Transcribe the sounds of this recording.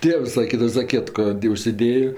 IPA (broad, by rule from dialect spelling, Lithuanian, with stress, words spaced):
ˈtʲeːws sɐˈkʲiːdɐʋɐ zɐˈkʲiɛtkoː tʲɪ ˈʊʃʲsʲɪˈdʲeːjoː